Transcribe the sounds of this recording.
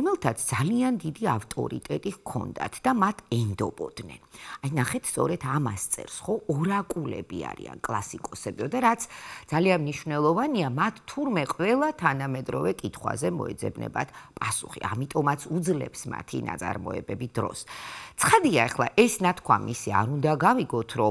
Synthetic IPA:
ɔmɛlˠt̪ʰat̪sʰd̪zaliand̪id̪iaft̪ʼɔ̰ɾḭt̪ʼɛt̪ʼiɣkʰɔ̰nd̪a̰t̪ʰd̪amat̪ʰɛnd̪ɔbɔd̪nɛ̰najnaχɛt̪ʰst̪sʼɔɾɛt̪ʰamast̪sʼɛ̰ɾsχɔɔɾakʼulɛ̰bia̰ɾḭa̰nkʼlˠasikʼɔsɛbiɔd̪aɾat̪sʰd̪z̥alianmniʃvnɛlˠɔvaniamat̪ʰt̪ʰːuɾmɛqʼvɛlˠat̪ʰanamɛd̪ɾɔvɛkʼit̪ʰχwa̰zɛmɔ̰ɛd̪zɛbnɛ̰ba̰t̪ʰpʼasuχḭamit̪ʼɔmat̪sʰud̪zlɛ̰psma̰t̪ʰḭna̰t̪sʼa̰ɾmɔɛ̰bɛbid̪̥ɾɔst̪sʰχad̪iaɛχlˠa̰ʔɛsnat̪ʰkʰwamisiaɾund̪aɡaviɡɔt̪ʰɾɔ

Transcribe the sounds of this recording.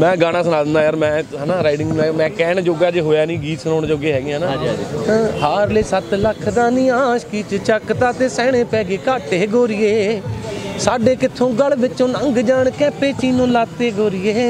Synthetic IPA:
mɛ̃ːɡaːɽaːsənaːd̪ənd̪aːjaːɾmɛ̃ːɦɛːnaːɾaːɪɖɪŋɡːmɛ̃ːkɛːɳd͡ʒoːɡaːd͡ʒeːɦoːjaːnĩːɡiːt̪sənoːɳd͡ʒoːɡeːɦɛːɡjãːnã | haːɾleːsət̪ləkʰd̪aːnĩːaːʃkiːt͡ʃt͡ʃəkt̪aːt̪eːsɛːɽ̃ẽːpɛːɡeːkaːʈeːɡoːɾɪjeː | saːɖeːkɪt̪ʰːõːɡəlʋɪt͡ʃõːnə̃ŋɡd͡ʒaːɳkɛ̃ːpeːt͡ʃiːnõːlaːt̪eːɡoːɾɪjeː

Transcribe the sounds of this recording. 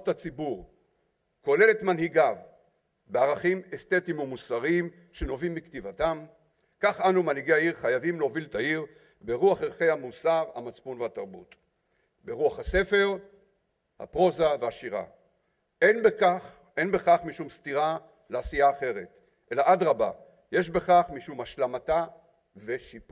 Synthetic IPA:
tat͡sibuʁ | ko̞le̞le̞tmanhiɡav | beaʁaχimest̪e̞timumusaʁim | ʃeno̞vimːiktivatam | kaχanumanhiɡeaiʁχajavimleoviltaiʁ | beʁuaχeʁχe̞jhamusaʁha̰mat͡spunvehataʁbṵt | be̞ʁuaχhase̞fe̞ʁ | ha̰pʁo̞zaveaʃiʁa̰ | enbekaχ | ʔe̞nbe̞χaχmiʃumst̪iʁa | leasijaːχe̞ʁet | ʔe̞laʔadʁaba̰ | je̞ʃbe̞χaχmiʃumhaʃlamata | ve̞ʃipu

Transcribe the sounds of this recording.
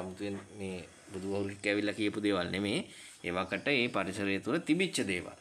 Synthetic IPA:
amut̪ujenmeː | bud̪uʋaɦuɾukikːæːʋilːakijəpud̪eːʋalnemeː | ḛːʋakəʈəeːpaɾisəɾəjət̪uɾət̪ibit͡ʃːʃəd̪eːʋa̰l

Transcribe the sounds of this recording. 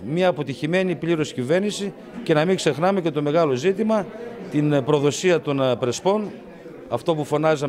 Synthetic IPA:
miɐːpo̞t̪içime̞nipliɾo̞scive̞ɾnisi | ce̞nɐmiɡse̞xnɐme̞ce̞t̪o̞me̞ɣɐlo̞zit̪imɐt̪inpɾo̞ðo̞siɐt̪o̞npɾe̞spo̞n | ɐft̪o̞pufo̞nɐzɐ

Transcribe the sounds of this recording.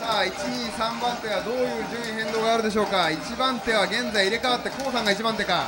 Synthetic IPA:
saːit͡ɕiɲiːsãmbãnt̪e̞βad̪o̞ːjɯ̟ːʑɨ̃ːĩɦẽ̞nd̪oːɡaːɾɯ̟d̪e̞ɕ̬o̞ːkait͡ɕibãnt̪e̞β̞aɡẽ̞nd͡zaiiɾe̞kaat̪ːe̞ko̞ːsãŋɡait͡ɕibãnt̪e̞ka

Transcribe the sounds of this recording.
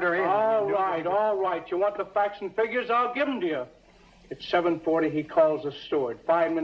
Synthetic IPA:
əɔlˠɹaɪɾɔlˠɹaɪt͡ʃɨwɑ̃nðəfæk̚sn̩fɪɡjə˞zaɪlˠɡɪṽmtɨjɨ | ɨtsɛvə̃nfɔɹɾiikʰɔlˠzəstɔɹd̥faɪvmɪ̃n

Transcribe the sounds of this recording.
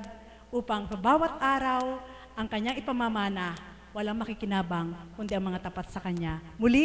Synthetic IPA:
d̪̚ | ʔuːpɐŋsɐbaːwɐt̪̚ʔaːɾɐw | ʔɐŋkɐɲːaŋɪpɐmamaːnɐ | wɐlaŋmɐkɪkɪnaːbɐŋkʊnd̪ɛʔɐŋmɐŋat̪ɐpat̪̚sɐkɐɲːamʊli

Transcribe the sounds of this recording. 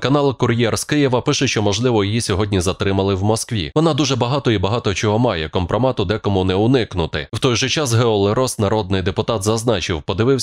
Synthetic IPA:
kɐnɑlˠkʊɾʲjɛrskɪjɪʋɐpɪʃɛʃt͡ʃɔmɔʒlˠɪʋɔjijisʲɔɦɔdʲnʲizɐt̪ɾɪmɐlˠɪwmɔskʋʲḭʋɔnɑd̪uʒɛbɐɦɑt̪ɔibɐɦɑt̪ɔt͡ʃɔɦɔmɑjɛkɔmpɾɔmɑt̪ʊd̪ɛkɔmunɛʊnɪknʊt̪ɪwt̪ɔjʒɔt͡ʃasɦɛɔlˠeɾɔsnɐɾɔd̪̚nɪjd̪epʊt̪ɑt̪zɐznɑt͡ʃɪwpɔd̪ɪʋɪwsʲ

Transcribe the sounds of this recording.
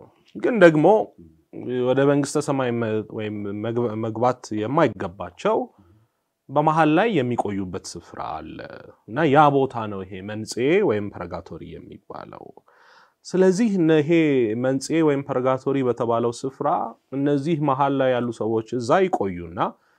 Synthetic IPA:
ɡɨnd̪əɡmo̞ | wɔd̪əməŋɡɨst̪ʰəsəmajwɔjɪmməɡbat̪jɛmːajɪɡːəbːat͡ʃːɛw | bəmaɦallajːɛmːikʼo̞jːubːət̪sɨfɾa̰ːlːə̰ɨnːajabo̞t̪ʰanəwɪɦe̞mənsʼewɔjɪmpʰəɾəɡat̪ʰo̞ɾḭjɛ̰mːḭbːa̰lə̰w | sɨləzːihɨnɦe̞mənsʼe̞wɔjɪmpʰəɾəɡat̪ʰo̞ɾibət̪ʰəβaləwsɨfɾaɨnːəzːihmaɦalːajːalːusəwo̞t͡ʃːɨzːajɪkʼo̞jːunːa

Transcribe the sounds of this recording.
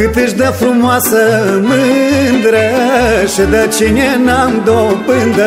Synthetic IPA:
ɨt̪ɨʒd̪ɐfɾumɔsɐmɨnd̪ɾɐʃɐd̪ɐt͡ʃiɲɐnand̪ɔbɨnd̪ɐ

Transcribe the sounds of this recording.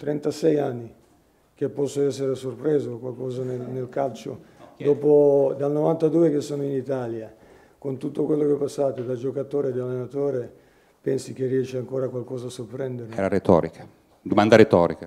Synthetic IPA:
t̪ɾɛnt̪asɛjanːi | k̟epːɔsːoɛsːeɾesorpɾeːzokwalkɔːzanenelkalt͡ʃo̰d̪ɔːpod̪alnovant̪ad̪uːekesːoːnoinit̪aːlja | kont̪ut̪ːokwelːokɛpːasːaːt̪od̪ad͡ʒokat̪oːɾed̪ialːenat̪oːɾe | pɛnsik̟erːiɛʃeaŋkoːɾakwalkɔːzaːsːorpɾɛnd̪eɾɛːɾaɾet̪ɔ̰ːɾikʰḁ | d̪omand̪aɾet̪ɔ̰ːɾika

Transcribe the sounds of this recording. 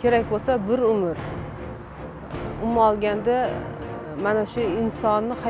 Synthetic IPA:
kʲʰe̞ɾakʲbolˠsabɪɾʊmɪɾ | ʊmɒlˠɡʲand̪a | manaʃʊɪnsɒnːɪha

